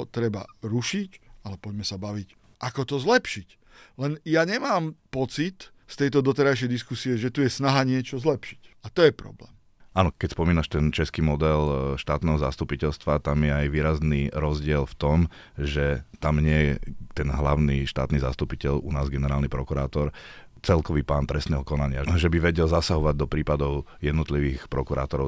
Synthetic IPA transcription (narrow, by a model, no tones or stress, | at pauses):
t̪ɾɛbaɾuʃicalɛpɔɟmɛsabaʋic | ʔakɔt̪ɔzlɛpʃic | lɛnjaɲɛmaːmpɔt͡sit̪ | st̪ɛjt̪ɔd̪ɔt̪ɛɾajʃ̬ɛjd̪iskusiɛʒɛt̪ujɛsnaɦaɲɪɛt͡ʃɔzlɛpʃi̥cat̪ɔjɛpɾɔ̰blɛ̰ːm | anɔkɛcspɔmiːnaʃt̪ɛnt͡ʃɛskimɔd̪ɛlʃt̪aːt̪nɛːɦɔzast̪upicɛlst̪ʋat̪amɪjɛajʋiːɾazniɾɔzɟɪɛlft̪ɔm | ʒɛt̪amɲɪɛjɛt̪ɛnɦlaʊniʃt̪a̰ːt̪niza̰st̪upicɛʎunaːzɡɛnɛɾaːlnipɾɔkuɾaːt̪ɔɾ | t͡sɛlkɔʋiːpaːnt̪ɾɛst̪nɛːɦɔkɔnaɲɪaʒɛbiʋɛɟɛlzasaɦɔʋaɟd̪ɔpɾiːpad̪ɔʊjɛd̪nɔt̪liʋiːxpɾɔkuɾa̰ːt̪ɔɾɔ